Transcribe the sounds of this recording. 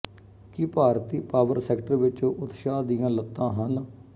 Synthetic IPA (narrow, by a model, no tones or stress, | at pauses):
kɪpaːɾt̪iːpaːʋəɾsɛːkʈəɾʋɪt͡ʃoːʔʊt̪ʃaːd̪ɪjãːlət̪ːãːɦən